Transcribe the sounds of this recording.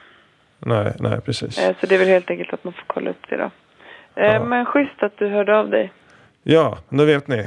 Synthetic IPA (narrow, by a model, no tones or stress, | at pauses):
nɛɪnʔɛ̰ɪpʰɾɛsḭːssɔd̪ɛvɛlheːlt̪ɛŋkəlt̪at̪manfoːɾkʰɔlːa̰ɵp̚ːd̪ɛ̰d̪ɑ̰ | mɛnɧʏst̪at̪̚d̪ɵɦœːɖəavd̪ɛ̰j | jɑːd̪ɛveːt̪nɪ